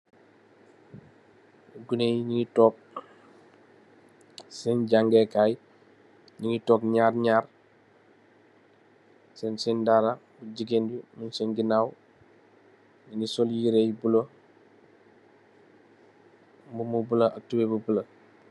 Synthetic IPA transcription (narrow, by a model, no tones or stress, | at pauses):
ɡunejɲiŋitɔːk̚ | sɛnɟaŋɡɛkaj | ɲiŋitɔːkɲaːɾɲaːɾ | sɛnsɛndaɾabuɟiɡendumunsɛnɡinaːw | ninisɔljiɾejbulo | mbumubuləʔatubebubulɐ